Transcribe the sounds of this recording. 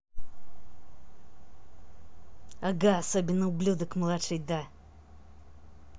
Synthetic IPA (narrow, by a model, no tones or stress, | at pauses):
aɡaːsobʲɪnːəublʲud̪əkmlˠaʂɨjd̪a